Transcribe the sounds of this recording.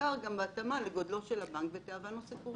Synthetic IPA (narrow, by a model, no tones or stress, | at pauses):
aʁɡambeːt̪amaleɡod̪lo̞ʃelabaŋkvet̪eavanosipuʁ